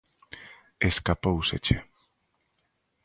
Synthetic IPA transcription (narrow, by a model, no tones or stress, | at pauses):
eskapowsḛt͡ʃe